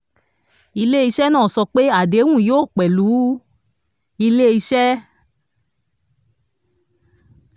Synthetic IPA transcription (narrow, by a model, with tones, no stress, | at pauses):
i˧le˦i˧ʃɛ˦nãː˦˨sɔ˧k͡pe˦a˦˨de˨˦wũ˦˨joː˦˨k͡pɛ˨lu˨˦ | i˧le˦i˧ʃɛ˦